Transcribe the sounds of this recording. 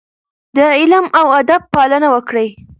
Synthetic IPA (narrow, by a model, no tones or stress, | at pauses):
d̪əɪlmawad̪ab̚pɑlənawəkɽəj